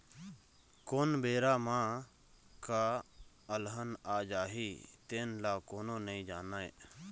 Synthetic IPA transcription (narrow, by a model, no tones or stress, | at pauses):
koːnbeːɾaːmãː | kaː | əlɦənaːd͡ʒaːɦiːt̪eːnlaːkoːnõːnəĩːd͡ʒaːnaːḛː